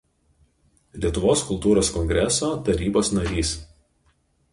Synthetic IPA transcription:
lʲiɛt̪ʊʋoːskʊlˠt̪uːɾoːskɔŋʲɡɾʲɛsoːt̪ɐɾʲiːboːsnɐɾʲiːs

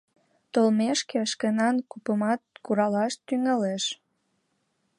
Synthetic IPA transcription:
t̪olmeʃkeʃkənɑnkupəmɑt̪̚kuɾɑlɑʃt̪yŋəleʃ

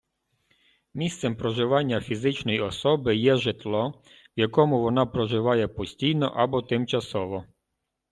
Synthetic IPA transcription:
mʲist̪sɛmpɾɔʒɪʋɑnʲːɐfʲizɪt͡ʃnɔjɔsɔbɪjɛʒɪt̪lˠɔ | ʋjakɔmʊʋɔnapɾɔʒɪʋɑjɛpɔsʲtʲijnɔ̰ʔabɔt̪ɪmt͡ʃɐsɔʋɔ

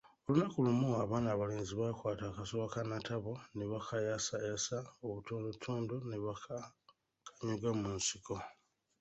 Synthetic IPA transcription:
o̞lunakulumuaβaːnaːβale̞ːnziβakwaːtakasoakanatʰaβo̞neβakʰajasajasaoβutuːndotʰuːndoneβakʰa | kʰḁɲiɡamunsiko̞

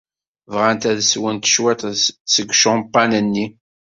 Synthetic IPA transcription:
vʁænt̪æðswənt̪ə̥ʃwæt̪səɡʃɑmpːɑnənːi

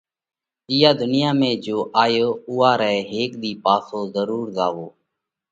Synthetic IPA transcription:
ɪjaːd̪ʊnɪjãːmẽːd͡ʒoːʔaːjoːʊːaːɾɛːɦeːkd̪iːpaːsoːzəɾuːɾzaːʋoː

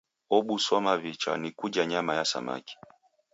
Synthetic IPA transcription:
ɔɓusɔmavit͡ʃa̰nikud͡ʒaɲamajasa̰ma̰ki̥

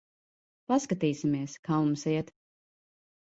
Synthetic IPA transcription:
paskat̪iːsimiɛskaːumsɛɛt̪

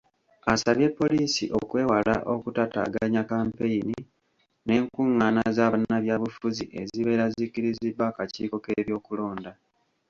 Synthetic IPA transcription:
asaβje̞pːo̞liːsiʔo̞̰kwe̞ːwala̰ʔo̞kutata̰ːɡaɲakaːmpeini | ne̞ːŋkuŋːaːnazaːβanaβjaːβufuziʔe̞ziβe̞ːɾazikiɾizibːaːkacḭːko̞ke̞βjo̞ːkulo̞ːnda

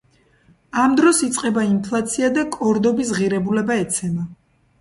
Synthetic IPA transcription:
amd̪ɾɔsit̪sʼqʼɛbainpʰlˠat̪sʰiad̪akʼɔɾd̪ɔbis̬ʁiɾɛbulɛbaɛt̪sʰɛma

